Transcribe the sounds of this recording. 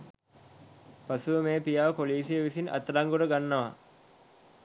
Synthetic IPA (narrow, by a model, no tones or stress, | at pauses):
pasuʋəmeːpijaːʋpoliːsijəʋisinɐ̰t̪ɾaŋɡuɾəɡanːɐʋa